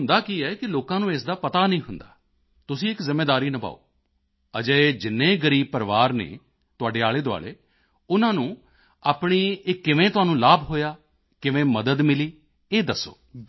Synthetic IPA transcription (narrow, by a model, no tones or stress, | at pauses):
ʊnd̪aːkiːɛːkɪloːkãːnũːeːsd̪aːpət̪aːnəĩːɦʊnd̪a̰ː | t̪ʊsĩːɪkzɪmːeːd̪aːɾiːnəba̰ːo̰ː | əd͡ʒəːed͡ʒɪnːẽːɡəɾiːb̚pəɾʋaːɾnḛː | t̪ʊaːɖeːaːɭeːd̪ʊa̰ːlḛː | ʊnãːnũː | aːpɳiːɪkːɪʋẽːt̪ʊaːnũːlaːbɦoːjaː | kɪʋẽːməd̪əd̪mɪliː | eːd̪əsːo̰ː